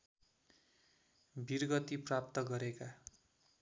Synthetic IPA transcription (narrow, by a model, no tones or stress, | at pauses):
birɡʌt̪iprap̚t̪ʌɡʌɾeka